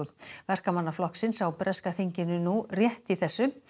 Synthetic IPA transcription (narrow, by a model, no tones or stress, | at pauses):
ðvɛr̥kamanːaflɔhksɪnsawpɾɛskaθiɲcɪnʏnurjɛht̪iθɛsːʏ